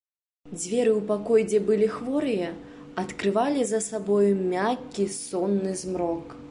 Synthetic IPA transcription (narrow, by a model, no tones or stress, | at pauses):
d͡zʲvʲɛɾɨwpakɔjd͡zʲɛbɨlʲixvɔɾɨjɐɐt̪kɾɨvalʲizɐsabɔjumʲakʲːisɔnːɨzmɾɔk